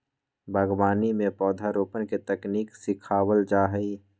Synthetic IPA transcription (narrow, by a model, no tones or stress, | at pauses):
bʱəɡwaːnimẽpɔːd̪ʱaɾoːpənket̪ɛkniːksɪkʰaːwəld͡ʒaːɦəi